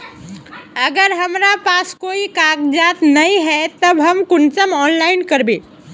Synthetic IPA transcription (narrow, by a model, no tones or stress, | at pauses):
əɡəɾɦəmɾapaskoikakd͡ʒat̪nəĩɦɛt̪əbɦəmkʊnt͡ʃəmɔnlaɪnkəɾbẽ